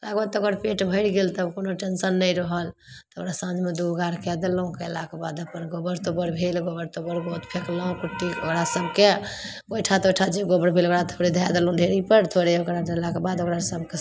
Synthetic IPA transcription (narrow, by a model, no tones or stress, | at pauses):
laɡbad̪t̪ɔoɡəɾpeʈbʱəɪɽɡelt̪əbkonoʈensənːəiɾəɦəlt̪ɔokɾasãd͡ʒmed̪uɡaɾkɛd̪elɔũkɛlakebad̪əpənɡobəɾt̪obəɾbʱelɡobəɾt̪obəɾɡot̪pʰeklɔɦũkuʈːiokɾasəbʱke | bojʈʰat̪ojʈʰad͡ʒeɡobəɾbʱelokɾat̪ʰoɾed̪ʱad̪elũdʱeɾipəɾt̪ʰoɾeokɾaɖelakebad̪okɾasəb̚ke